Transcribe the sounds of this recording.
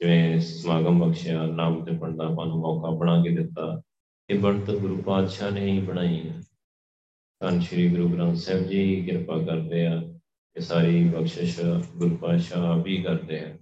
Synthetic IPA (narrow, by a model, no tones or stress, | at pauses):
d͡ʒɪʋẽːsmaːɡəmbəkʃjãːnaːmd͡ʒ̪əpəɳd̪aːpãːnũːmɔːkaːbəɽ̃aːkeːd̪ɪt̪ːaː | eːbəɳt̪ːɡʊɾuːpaːd̪ʃaːnẽːĩːbəɽaːiː | kənʃəɾiːɡɾuːɡɾãːmsɛːbd͡ʒiːɦiːkɪɾpaːkəɾd̪eːaː | t̪eːsaːɾiːbəkʃəaɡʊɾpaːd̪ʃaːbiːkəɾd̪eːaː